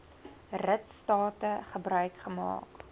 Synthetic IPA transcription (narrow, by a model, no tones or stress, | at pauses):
rətstɑːtəχəbrœɥkχəmɑ̰ːk